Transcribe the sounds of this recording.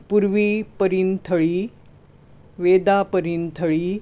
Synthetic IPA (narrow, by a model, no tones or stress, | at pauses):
puɾʋipəɾiːnt̪ʰəɭiː | ʋed̪apəɾiːnt̪ʰəɭiː